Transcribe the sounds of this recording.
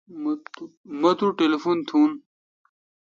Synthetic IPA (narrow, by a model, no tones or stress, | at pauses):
m | mɐt̪uʈelefunt̪ʰuːn